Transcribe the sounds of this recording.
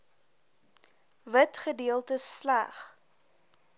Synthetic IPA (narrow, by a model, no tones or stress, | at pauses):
vətχədiəlˠtəslæ̰χ